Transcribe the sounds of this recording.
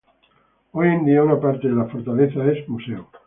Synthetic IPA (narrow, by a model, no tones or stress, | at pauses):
ojend̪iaunapaɾt̪eðelafoɾt̪aleθaesmuseu